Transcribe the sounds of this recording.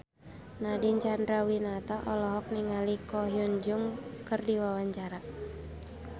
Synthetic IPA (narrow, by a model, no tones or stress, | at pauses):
nadiɲt͡ʃandɾawinat̪aʔɔlɔɦɔk̚niŋalikɔɦjund͡ʒuŋkɨrdiwawaɲt͡ʃaɾa